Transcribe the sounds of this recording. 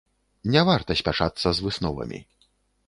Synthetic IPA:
nʲɛvart̪ɐsʲpʲat͡ʂat̪sːɐzvɨsnɔvɐ̰mʲḭ

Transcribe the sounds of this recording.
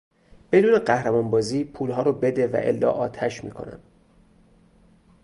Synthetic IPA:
b̥e̞d̪uːne̞ɢæhɾemɒːnbɒːziːpʰuːlɦɒːɾobe̞d̪evæ̰ʔḛlːɒ̰ːʔɒːt̪ʰæʃmḭːkʰo̞̰næ̰m

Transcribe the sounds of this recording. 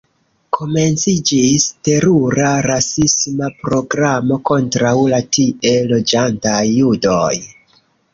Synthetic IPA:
kʰo̞me̞nt͡sid͡ʒiste̞ɾuɾaɾasismapɾo̞ɡɾamo̞ko̞ntɾawlatie̞lo̞d͡ʒantajːudo̞j

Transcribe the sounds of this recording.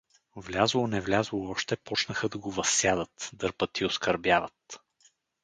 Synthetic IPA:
vlʲazlˠonɛvlʲazlˠoɔʃt̪ɛpɔt͡ʃnəxəd̪ɐɡovɐsːjad̪ət̪d̪ɤɾpət̪iʊskɐɾbʲjavət̪

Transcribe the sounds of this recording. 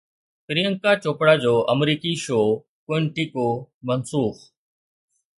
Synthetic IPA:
pɪɾiəŋkaːt͡ʃoːpɽaːd͡ʑoːʔəmɾiːkiːʃoː | keɳʈiːkoːmənsuːx

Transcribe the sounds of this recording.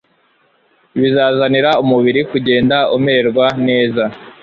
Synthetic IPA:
βizaːzaniɾaumuβiɾikuɟe̞ːndaumeɾɡwane̞ːza

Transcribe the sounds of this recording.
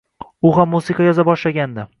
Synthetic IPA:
ʊɦamːusɨqʰɑjɒzabɒʃlaɡʲand̪a

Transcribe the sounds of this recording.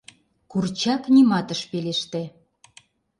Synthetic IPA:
kurt͡ɕɑknʲimɑt̪ə̆ʃpeleʃt̪ĕ

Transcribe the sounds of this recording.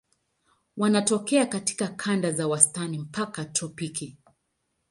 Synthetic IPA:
wanatɔkɛakati̥kakʰandazawastanim̩pakatɔpiki

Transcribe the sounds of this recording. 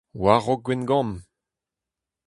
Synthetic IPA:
waʁɔɡ̚ɡwɛnɡɑ̃m

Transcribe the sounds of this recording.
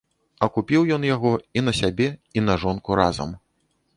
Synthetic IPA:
ɐkupʲiwjɔnjaɣɔin̪ɐsʲabʲɛinɐʐɔnkuɾa̰zɐ̰m

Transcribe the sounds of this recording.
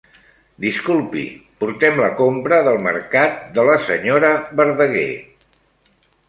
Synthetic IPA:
d̪iskulˠpḭpuɾt̪ɛmləkompɾəðəlˠmə̰ɾkat̪̚d̪ələsəɲoɾəβəɾðəɣḛ

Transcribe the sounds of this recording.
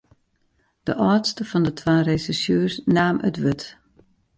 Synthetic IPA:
d̥əʔɔːtstəfɔndətʰwaːresɪsjøːsnaːmə̰tʋɪt

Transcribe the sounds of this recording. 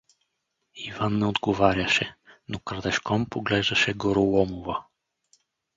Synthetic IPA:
ivanːɛod̪ɡovaɾʲəʃɛnokɾəd̪ɛʃkɔmpoɡlɛʒd̪ɐʃɛɡoɾolˠɔmovə

